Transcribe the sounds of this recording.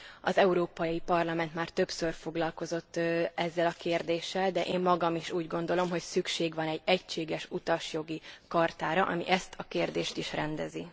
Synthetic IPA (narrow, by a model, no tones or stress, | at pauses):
ɒzɛuɾoːpɒjipɒrlɒmɛnt̪maːrt̪ø̞psørfo̞ɡlɒlko̞zo̞t̪ːɛzːɛlɒkeːrd̪eːʃːɛld̪ɛʔeːmːɒɡɒmiʃuːɟɡo̞nd̪olo̞mɦo̞csykʃeːɡʋɒnɛɟɛcʃeːɡɛʃut̪ɒʃjo̞ɡikɒrt̪aːɾɒʔɒ̰mḭʔɛst̪ʰɒkeːrd̪eːʃt̪iʃrɛnd̪ɛzi